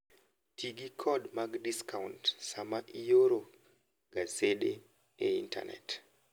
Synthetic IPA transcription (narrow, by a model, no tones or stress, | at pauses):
tʰiɡikʰɔdmaɡdiskauntsamaʔijoɾo | ɡasede | ɛinta̰nɛ̰t